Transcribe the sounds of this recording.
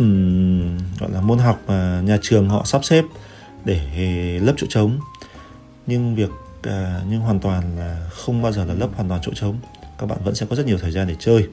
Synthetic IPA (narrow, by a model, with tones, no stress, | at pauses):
ɣɔ̰˧˨jlaː˨˩mu˧nɦa˨˩wk͡p̚maː˨˩ɲaː˨˩t͡ɕɨ˨˩əŋɦɔ̰˧˨saː˦˥p̚sɛ˦˥p̚ | ɗe˧˩˨lə˦˥p̚t͡ɕo̰˧˥t͡ɕə˨˦wŋ͡m | ɲɨ˧ŋvi˨˩ək̚ | ʔəː˨˩ɲɨ˧ŋɦwaː˨˩nt̪waː˨˩nlaː˨˩xə˧wŋ͡mɓaː˧wzəː˨˩laː˨˩lə˦˥p̚haː˨˩t̪wːt͡ɕo̰˧˥t͡ɕə˨˦wŋ͡m | kaː˦˥k̚ɓa̰ː˧˨və̰˧˥sɛ̰˧˥kɔ˨˦zə˦˥t̚ɲi˨ə˩t̪ʰːzaː˧nɗe˧˩t͡ɕəː˧j